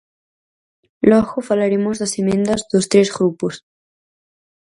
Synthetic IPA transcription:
lɔɣofalaɾemozðasemẽnd̪azðost̪ɾezɣɾupus

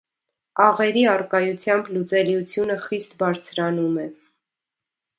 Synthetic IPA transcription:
ɑʁɛɾiɑrkɑjut͡sʰjɑmblut͡sɛliut͡sʰjunəχist̪bɑɾt͡sʰɾɑnumɛ

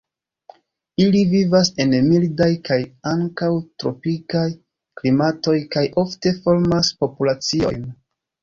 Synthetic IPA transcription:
ilivivase̞nmildajkajaŋkawtɾo̞pikaj | klimato̞jkajʔo̞fte̞fo̞ɾmaspo̞pulat͡sio̞̰jn

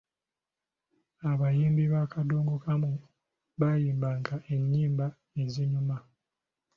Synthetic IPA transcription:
aβajiːmbiβakadoːŋɡokamu | βajiːmbaŋɡaʔe̞ɲːiːmba | eziɲuma

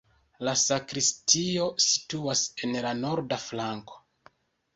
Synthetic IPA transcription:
lasakɾistio̞si̥tuase̞nlano̞ɾdaflaŋko̞̥

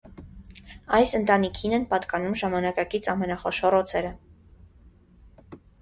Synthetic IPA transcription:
ɑjsənt̪ɑnikʰinɛnpɑt̪kɑnumʒɑmɑnɑkɑkit͡sʰɑmɛnɑχɔʃɔɾɔt͡sʰɛɾə

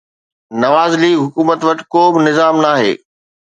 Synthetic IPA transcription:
nɐʋaːzliːɦʊkuːmət̪ʋɐʈɪ̥koːbɪnɪzaːmnaːɦḛː

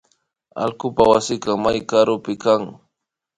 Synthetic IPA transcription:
a̰lkʊpawasɪkɑmajkaɾʊpɪkaŋ

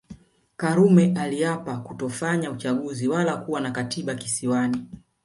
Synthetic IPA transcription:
kaɾumɛʔaliapakutɔfaɲaut͡ʃaɠuziwalakuwanakatiɓakisiwani

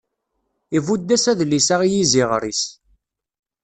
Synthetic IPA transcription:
ivud̪ːæsæðlisaʁijiziʁɾḭs

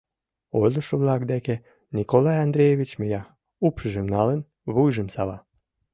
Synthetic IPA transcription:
ojlə̆ʃoβlɑkd̪eke | nʲikolɑjɑnd̪ɾʲejeβʲit͡ɕməjɑ | upʃəʒemnɑlən | βujʒəmsɑβɑ

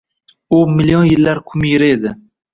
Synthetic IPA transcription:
ʊmɪlijonjɪlːaɾkʲʰʊmjɪɾɪed̪ɪ

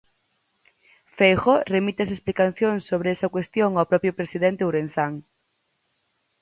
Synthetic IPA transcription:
fejxoremit̪eɐs̬esplikaθjoŋsːoβ̞ɾeɛsɐkwest̪joŋawpɾɔpɾjopɾesiðent̪euɾensaŋ

